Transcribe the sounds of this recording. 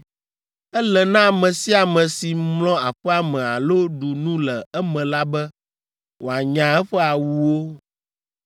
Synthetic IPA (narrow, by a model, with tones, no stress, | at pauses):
ɛ˦lɛ˨nã˦˨mɛ̃˨si˦a˨mɛ̃˨si˨mlɔ̃˦a˨ɸɛ˦a˨mɛ̃˨a˨lo˦ɖu˨nũ˦lɛ˨ɛ˦mɛ̃˨la˦bɛ˦ | wo˨a˨ɲã˨ɛ˦ɸɛ˦a˨wu˨wo˦